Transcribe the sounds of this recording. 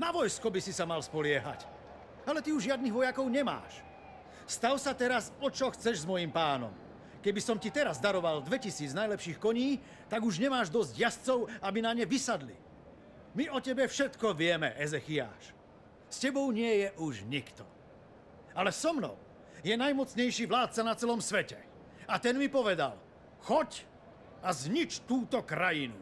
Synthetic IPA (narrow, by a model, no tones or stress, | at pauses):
naʋɔjskɔbisisamalspɔlɪɛɦa̰c | alɛt̪iuʒʒɪad̪niɣʋɔjakɔʊɲɛma̰ːʃ | st̪awsat̪ɛɾasɔt͡ʃɔxt͡sɛʒzmɔjimpaːnɔ̰m | kɛbisɔmcit̪ɛɾazd̪aɾɔʋald̪ʋɛcisiːd͡znajlɛpʃiːxkɔɲiː | t̪aɡuʒɲɛmaːʒd̪ɔzɟjast͡sɔʊabinaɲɛʋisad̪lḭ | miɔcɛbɛfʃɛt̪kɔʋɪɛmɛʔɛzɛxia̰ːʃ | scɛbɔʊɲɪɛjɛʔuʒɲikt̪ɔ̰ | alɛsɔmnɔ̰ʊ | jɛnajmɔt͡sɲɛjʃiːʋlaːt̪̚t͡sanat͡sɛlɔmsʋɛcɛ | at̪ɛnmipɔʋɛd̪a̰l | xɔc | azɲit͡ʃt̪uːt̪ɔkɾajinṵ